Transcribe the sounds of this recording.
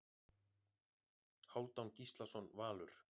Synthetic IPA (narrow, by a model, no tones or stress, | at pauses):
haːwt̪awncist̪lasɔnvaːlʏɾ̥